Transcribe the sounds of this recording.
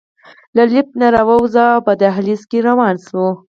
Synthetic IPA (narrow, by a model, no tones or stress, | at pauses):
lalɪp̚naɾawawzapad̪aɦaliskeɾawɑnswu